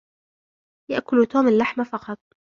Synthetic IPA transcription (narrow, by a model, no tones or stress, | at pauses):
ja̰ʔkʊlt̪oːmalːaħmafɑqɑt̪̚ˤ